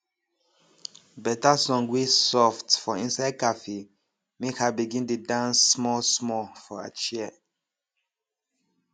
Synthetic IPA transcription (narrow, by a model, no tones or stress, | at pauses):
bɛtasɔ̃ŋɡwisɔftfɔĩnsaɪd̚kafe | mekhabiɡĩntudãnsːmɔlsmɔfɔa̰t͡ʃɛɛ